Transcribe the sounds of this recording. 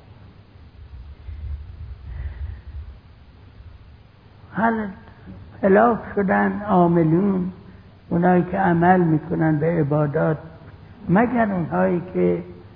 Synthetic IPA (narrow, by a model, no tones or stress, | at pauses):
hæl | pʰelɒːfʃod̪ænɒːmeluːn | unhɒːiːkʰeæmælmiːkʰonænd̪beːbɒːd̪ɒːt̪̚ | mæɡæɾunɦɒːiːkʰe